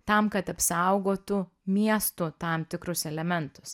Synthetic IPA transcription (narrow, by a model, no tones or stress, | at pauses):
t̪ɐmkɐt̪ɐpsɐʊɡoːt̪ʊ | mʲiɛst̪ʊt̪ɐmt̪ʲɪkɾʊsɛlʲɛmʲɛnt̪ʊ̥s